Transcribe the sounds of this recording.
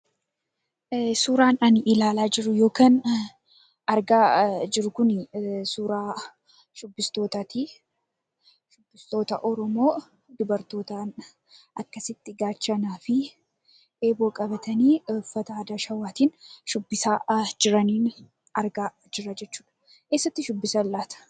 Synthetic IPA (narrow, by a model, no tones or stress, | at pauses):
suːɾaːnɐnɪlaːlaːd͡ʒɪɾʊjo̞ːkaːn | ɐɾɡaːd͡ʒɪɾʊkʊnsuːɾaː | ʃʊbːɪst̪o̞ːt̪ɐt̪i | ʃʊbːɪst̪o̞ːt̪ɐʔɔɾɔmo̞ː | d̪ʊbɐɾt̪o̞ːt̪aːn | ʔɐkːɐsɪt̪ːɪɡaːt͡ʃːɐnaːfɪ | ʔeːboːkʼɐbɐt̪ɐniːʊfːɐt̪ɐaːd̪aːʃɐwaːt̪iːnʃʊbːɪsaːd͡ʒɪɾɐniːn | ɐɾɡaː | d͡ʒɪɾːɐd͡ʒɛt͡ʃːuːᶑɐ̥ | ke̞ːsːɐt̪ːɪʃʊbːɪsɐlːaːt̪ɐ̥